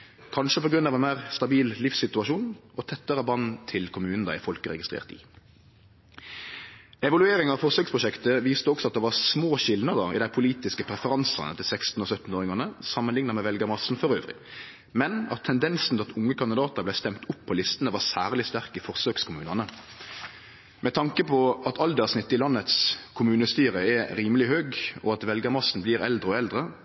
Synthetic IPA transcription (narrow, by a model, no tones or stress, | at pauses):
kʰɑnʂəpɔɡʁʉnːɑʋɛnmæːʁst̪ɑbiːllɪfsɪt̪ʉɑʂuːnʔɔt̪ʰɛt̪ːəɾəbɑnːt̪ʰɪlkʰʊmʉːnn̩d̪æ̰ːɪfɔlkəʁɛ̰ɡɪst̪ʁḛːʁt̪ɪ̰ | ɛʋɑlʉeːɾɪŋɑʋfɔʁsøːkspʰʁʊʃɛkt̪əʋiːst̪əɔksɔɑt̪̚d̪ɛʋɑʁsmoːʃɪlnəd̪əɪ̰d̪æɪpʰʊliːt̪ɪskəpʰɾɛfəʁɑnsɑ̰nə̰t̪ʰɪlsɛkst̪n̩ɔsœt̪ːn̩oːɾɪŋɑnəsɑmːənlɪŋnəʁmɛʋɛlɡəmɑsn̩fɔʁøːʋɾɪ̰ | mɛnɑt̪ʰːɛnd̪ɛnsn̩ɛlɑt̪ʊŋːəkʰɑnd̪ɪd̪ɑːt̪əblæɪst̪ɛmt̪ʊpʰːɔlɪst̪ənəʋɑsæːʁlɪst̪æʁkəfɔʁsøːkskʰʊmʉːnɑnə | mɛt̪ʰɑŋkəpʰɔɑt̪ʰɑld̪əsnɪt̪ːɪlɑnːət̪skʰʊmʉːnəst̪yːɾəɛɾiːməlɪhøːɡɔɑt̪ʋɛlɡəmɑsn̩bliːɾɛld̪ɾʁəɔɛld̪ʁə